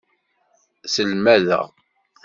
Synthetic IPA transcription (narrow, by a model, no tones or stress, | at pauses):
səlmæðæ̰